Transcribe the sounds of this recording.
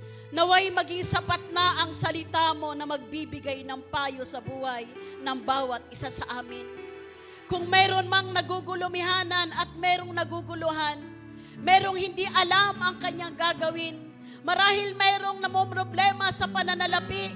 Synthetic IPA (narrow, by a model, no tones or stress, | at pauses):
nɐwajmɐɡɪŋsɐpat̪̚nɐʔɐŋsɐlɪt̪aːmo̞nɐmɐɡ̚bibɪɡajnɐŋpaːjosɐbuːhɐjnɐŋbaːwɐt̪̚ʔɪsasɐʔaːmɪn | kʊŋmɛːɾo̞nmɐŋnɐɡuɡʊlʊmɪɦaːnɐnɐt̪̚mɛːɾoŋnɐɡuɡʊlʊɦan | mɛːɾo̞ŋhɪnd̪iʔɐlamʔɐŋkɐɲːaŋɡaɡɐwɪn | mɐɾaːhɪlmɛːɾo̞ŋnɐmopɾoblɛːmɐsɐpɐnɐnɐlɐpɪʔ